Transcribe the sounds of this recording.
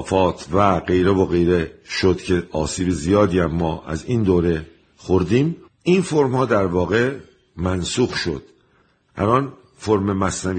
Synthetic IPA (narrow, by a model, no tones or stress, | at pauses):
fɒːt̪ʰvæɢe̞jɾevoɣe̞jɾeʃod̪̥cʰe̞ʔɒːsiːbezijɒːd̪iːæmːɒːʔæ̰ziːnd̪oːɾe̞ | xoɾd̪iːm | infoɾmhɒːd̪æɾvɒːɣe̞ | mænsuːxʃo̞̰d̪̥ | ʔæ̰lɒːn | foɾmemæsnæv